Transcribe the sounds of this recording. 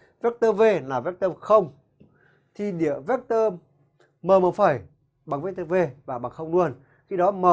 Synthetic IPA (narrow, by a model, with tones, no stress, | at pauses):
vɛ˦˥k̚t̪əː˧ve˧naː˨˩vɛ˦˥k̚t̪əː˧xə˧wŋ͡m | t̪ʰi˨˩ɗi˧˨əvɛ˦˥k̚t̪əː˧ | məː˨˩məː˨˩faː˧˩j | ɓa˨˩ŋvɛ˦˥t̪əː˧ve˧vaː˨˩ɓa˨˩ŋxə˧wŋ͡mlu˧ən | xi˧ɗɔ˨˦məː˨˩